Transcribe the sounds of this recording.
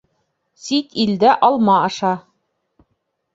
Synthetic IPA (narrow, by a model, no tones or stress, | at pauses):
sit̪ild̪æʔɑlˠmɑɑʃɑ